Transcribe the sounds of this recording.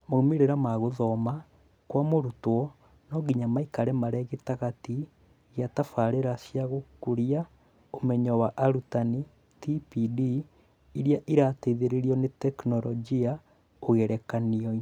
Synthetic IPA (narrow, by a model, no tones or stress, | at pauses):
momeɾeɾamaɣoðɔma | kwamoɾutwɔ | nɔɡiɲamaikaɾɛmaɾɛɣetaɣati | ɣjatafaɾeɾasjaɣokuɾia | omɛɲɔwaʔaɾutani | tipidi | iɾjaʔiɾateiðeɾeɾiɔnetɛknɔɾɔd͡ʒia | oɣeɾɛkaniɔi